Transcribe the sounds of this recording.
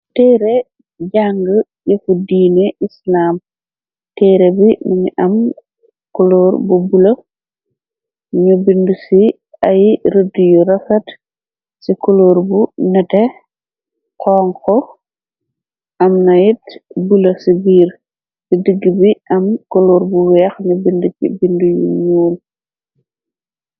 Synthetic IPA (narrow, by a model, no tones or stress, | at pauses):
tɛɾe | ɟaŋɡə | jefudiːneʔislaːm | tɛːɾebimiɲiʔɐm | koloːɾbubulɐ | ɲobindusi | ajɾədujuɾɐfɐt | sikoloɾbunɛtɛ | qɔːŋkɔ | ʔɐmnɐjit̚bulɐsibiːɾ | sidiɡːibiʔɐmkoloːɾbuwɛxɲubindukḭbindujṵɲuːl